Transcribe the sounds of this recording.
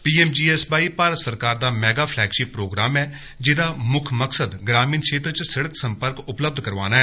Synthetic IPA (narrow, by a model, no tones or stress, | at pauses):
piːɛːmd͡ʒiːɛːsbaːiːpaːɾət̪səɾkaːɾd̪aːmɛːɡaːpʰlɛːkʃiːpɾoːɡɾaːmɛː | d͡ʒɪd̪aːmʊkʰməksəd̪ɡɾaːmiːnkʃeːt̪ɾt͡ʃsɪɽəksəmpəɾkʊpləb̚d̪ʱkəɾʋa̰ːnaːɛː